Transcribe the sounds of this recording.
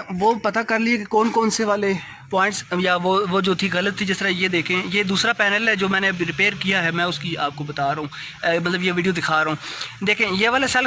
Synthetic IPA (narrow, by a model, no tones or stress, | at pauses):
ʋoːpɐt̪akɐɾliekekɔːnkɔːnseʋaːle | pɔːɪ̃ɳʈsjaʋoːʋoːd͡ʒoːt̪ʰiɣɐlət̪ʰːid͡ʒɪst̪əɾajed̪eːkʰẽjeːd̪uːsɾapɛːnəlɦɛd͡ʒoːmɛ̃ːneɾɪpeːɾkijaɦɛmɛ̃ːʊskiaːp̚kobɐt̪aːɾɐɦũː | mɐt̪ləbjeʋiːɖijod̪ɪkʰaːɾɦũːd̪eːkʰẽːjeːʋaːlesɐl